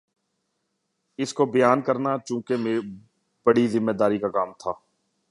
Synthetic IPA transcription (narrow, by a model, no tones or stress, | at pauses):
ɪskobəjaːnkəɾnat͡ʃũːkemeː | b̥əɽizɪmːeːd̪aːɾikakaːmt̪ʰaː